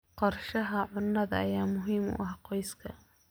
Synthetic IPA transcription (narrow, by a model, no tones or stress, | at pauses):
qɔrʃɐɦɐʕʊnːɐðɐ̰ːjaːmʊɦiːmʊ̰ʔɐhqɔjskʰɐ